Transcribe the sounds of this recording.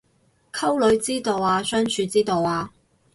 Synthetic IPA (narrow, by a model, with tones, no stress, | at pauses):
kʰɐ˥wlɵ˨˧˥ɥt͡siː˥t̪o˨waː˧sœː˥ŋt͡ʃʰyː˨˧t͡siː˥t̪o˨waː˧